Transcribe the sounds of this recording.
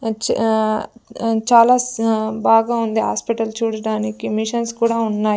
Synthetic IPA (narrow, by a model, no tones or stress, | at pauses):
t͡ʃ | t͡ʃaːlaːbaːɡaːund̪iɦa̰ːspiʈɐlt͡ʃuːɽɐɽaːnikimiʂɐnskuːɽaːunːaːj